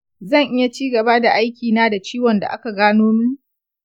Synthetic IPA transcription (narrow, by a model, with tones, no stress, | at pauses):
zɐ˦˨ŋʔɪ˦ja˨t͡ʃiː˦ɡɐ˨ba˦da˨ʔa˦jkʲiː˨naː˦da˨t͡ʃiː˦wɐ˨nda̰˨ʔa̰˦ka˨ɡaː˦noː˦mu˦